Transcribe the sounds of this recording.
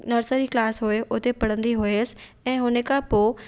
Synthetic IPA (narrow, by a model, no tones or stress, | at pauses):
nɐɾsəɾiklaːsɦʊeʔʊt̪epɐɽ̤ə̃nd̪iɦʊes̆ | ɛ̃ːɦʊnəkʰãpoː